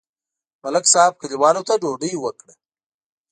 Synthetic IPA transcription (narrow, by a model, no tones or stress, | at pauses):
mɐlɐksaːb̚kʰəliwɑːlot̪aɖoːɖiwəkɽə